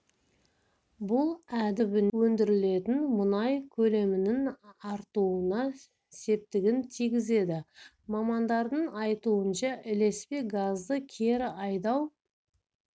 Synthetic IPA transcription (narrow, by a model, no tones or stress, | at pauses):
bʊlˠæd̪ɪbɪnwɵnd̪ɪɾɪle̞t̪ɪnmʊnɑjkʲʰɵle̞mɪnɪŋɑɾt̪uənɑ | se̞p̚t̪ɪɡʲɪnt̪ʰijɡʲɪze̞d̪ɪ | mɑmɑnd̪ɑɾd̪əɴɑjt̪uənʃɑʔɪle̞spe̞ɡazd̪əkʲʰe̞ɾɪɑjd̪ɑw